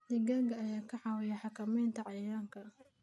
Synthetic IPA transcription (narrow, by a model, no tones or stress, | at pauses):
d̪ɪɡɐɡɐːjaːkʰɐħɑwɛjɛħɑkʰɐmɛjnt̪ʰɐʕɑjaːŋkʰɐ